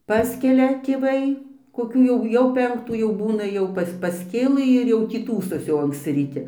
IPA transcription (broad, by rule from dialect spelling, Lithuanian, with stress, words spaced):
ˈpɑːsʲkʲɛlʲɛ tʲeːˈʋɐɪ koːˈkʲuː jɛʊ ˈjɛʊ ˈpʲɛŋktuː jɛʊ ˈbuːnɐ ˈjɛʊ pɐs pɐsʲˈkʲeːlˠɨ ɪr jɛʊ tʲiː ˈtuːsoːsʲɪ ɐŋksʲˈt͡sʲɪ rʲiːˈtʲɪ